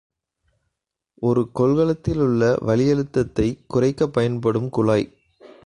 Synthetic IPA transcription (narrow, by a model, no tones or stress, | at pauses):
ʔɔɾɯkɔlɣɐɭɐt̪ːɪlʊɭːɐʋɐlɪjɐɻɯt̪ːɐt̪ːɐɪkʊrɐɪkːɐpːɐjɐnpɐɽɯmkʊɭaːɪ